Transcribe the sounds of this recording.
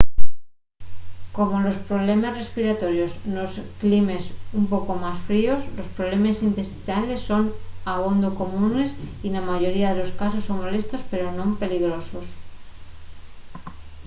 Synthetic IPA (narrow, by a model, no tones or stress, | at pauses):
ko̞mo̞lo̞spɾo̞βle̞mazre̞spiɾat̪o̞ɾjo̞sno̞sklime̞sumpo̞ko̞masfɾio̞slo̞spɾoβle̞masint̪e̞st̪inale̞sːo̞naβo̞nd̪oko̞mũne̞sinamaʝo̞ɾiaðe̞lo̞skaso̞sːo̞ŋmo̞le̞st̪o̞spe̞ɾo̞nõ̞mpe̞liɣ̞ɾo̞so̞s